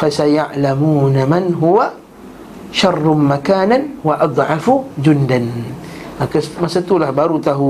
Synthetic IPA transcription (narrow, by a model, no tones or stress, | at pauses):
fasajaʕlamuːnamanɦʊwa | ʃɑrˤːmakaːnanwaʔɑd̪ˤʕɑfʊd͡ʒʊnd̪anʔakasmasat̪ulahbɑɾˤut̪aɦ